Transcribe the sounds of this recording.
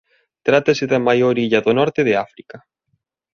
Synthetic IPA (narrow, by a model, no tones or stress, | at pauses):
t̪ɾat̪ɐsɪðɐmajoɾiʎɐðonɔɾt̪ɪðɪafɾikɐ